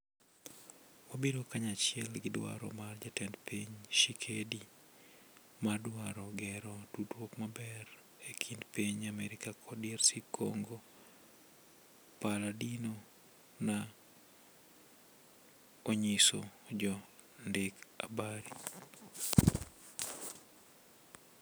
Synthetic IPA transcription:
wabedokaɲat͡ʃɪɛlɡɪdwa̰ɾɔ̰mard͡ʒatɛndpiɲʃikʰedi | madwaɾɔɡɛɾɔdudwokmabɛr | ekʰindpiɲamɛɾɪkakʰɔdɛrsikʰo̰ŋɡo | paladino | na | oɲisod͡ʒɔ | ndɪka̰baɾi

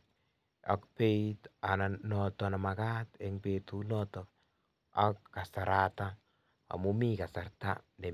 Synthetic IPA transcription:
a̰kpeitananɔtɔnamakat̪eŋpetunɔtɔ | akːasaɾata | a̰mumikasarta̰nde

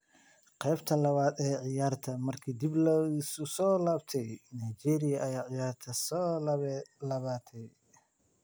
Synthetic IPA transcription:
qɛːbt̪ʰɐlɐβaːd̪ɛːʕɪjaːrt̪ʰɐmɐrkʰiːd̪iblɐɪsʊsɔːlaːbt̪ʰɛjnajt͡ʃɛːɾɪjɐʔɐjaːʕɪjaːrt̪ʰɐsɔː | lɐβaːt̪ʰɛj

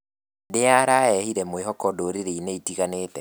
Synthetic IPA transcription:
deaɾaɛhiɾɛmweɦɔkɔdoɾeɾeineitiɣaneːtɛ

